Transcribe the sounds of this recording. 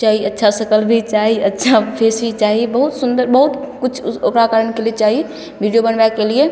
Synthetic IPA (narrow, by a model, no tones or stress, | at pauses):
t͡ʃaɦiətːʃʰasəkəlbʱit͡ʃaɦiətːʃʰapʰesbʱit͡ʃaɦibəɦut̪sund̪əɾbəɦut̪kut͡ʃʰokɾakaɾənkelet͡ʃaɦi | bʱiɖijobənbakelie